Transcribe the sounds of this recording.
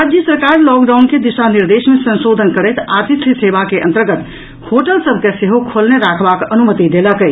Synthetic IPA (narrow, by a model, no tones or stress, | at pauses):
ɾad͡ʒjəsəɾkaɾlɔkɖawnked̪isaniɾd̪esmesənsod̪ʱənkəɾəjt̪at̪it̪ʰsebakeʔə̰nt̪əɾɡət̪ | hoʈəlsəbʱkeseɦokʰolneɾakʰbakənumət̪id̪eləkə